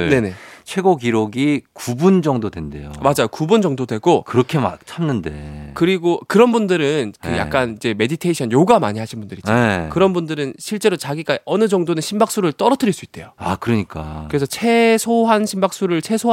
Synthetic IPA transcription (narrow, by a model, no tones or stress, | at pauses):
ne̞net͡ɕʰwe̞ɡoɡiɾoɡikubund͡ʑʌŋdodwe̞nde̞̰jo̰mad͡ʑajokubund͡ʑʌŋdodwe̞ɡokɯɾʌkʰe̞ma̰t͡ɕʰamnɯnde̞̰kɯɾiɡokɯɾʌnbundɯɾɯnkɯja̰kk͈anid͡ʑe̞me̞ditʰeiɕʰʌnjoɡamaɲiɦaɕʰinbundɯɾid͡ʑekɯɾʌnbundɯɾɯnɕʰiɭt͡ɕ͈e̞ɾot͡ɕaɡiɡ͈aʌnɯd͡ʑʌŋdonɯnɕʰimbak̚s͈uɾɯɭt͈ʌɾʌtʰɯɾiɭs͈uit̚t͈e̞̰joakɯɾʌɲik͈a̰kɯɾe̞sʰʌt͡ɕʰe̞sʰoɦanɕʰimbak̚s͈uɾɯɭt͡ɕʰe̞sʰo